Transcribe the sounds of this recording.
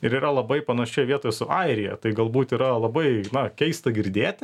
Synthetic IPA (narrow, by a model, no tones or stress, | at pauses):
ɪɾiːɾɐlˠɐbɐɪpɐnɐʃʲɛɪʋʲiɛt̪oːjɛsʊʔɑɪɾʲɪjɛ̰t̪ɐɪɡɐlˠbuːt̪iːɾɐlˠɐbɐɪnɐkʲɛɪst̪ɐɡʲɪɾʲd̪ʲeːt̪ʲɪ